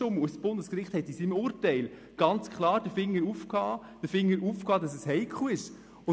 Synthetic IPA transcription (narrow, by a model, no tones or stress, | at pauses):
ʊməussb̥ʊndəskɾɪχthɛt̪isimʊɾtɛɪl | ɡ̥ɑnt͡skʰχlɑːɾd̥əfɪŋːəɾufkhɑː | d̥əfɪŋːəɾʔufkhɑːdɑsɛshɛɪkχuɪʃ | ʊ